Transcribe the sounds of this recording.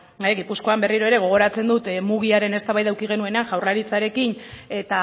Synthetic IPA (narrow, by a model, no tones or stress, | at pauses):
eɣipusko̞ambe̞riɾo̞e̞ɾe̞ɣ̞o̞ɣ̞o̞ɾat͡se̞nd̪ut̪muɣ̞iaɾe̞ne̞st̪aβajðawkiɣ̞e̞nue̞neaŋʝawrlaɾit͡saɾe̞kine̞t̪a